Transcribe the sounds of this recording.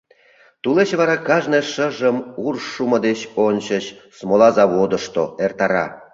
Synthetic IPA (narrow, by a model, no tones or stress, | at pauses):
t̪ulet͡ɕβɑɾɑkɑʒneʂə̆ʒə̆murʂumɤ̆d̪eɕonɕə̆ɕsmolˠɑzɑβod̪ə̆ʂt̪oert̪ɑɾɑ̰